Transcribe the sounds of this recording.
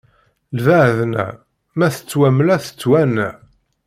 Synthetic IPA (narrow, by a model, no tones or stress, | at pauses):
lvæʕðnæ̰ | mæθə̥t͡sːwæmlæθə̥t͡sːwænæ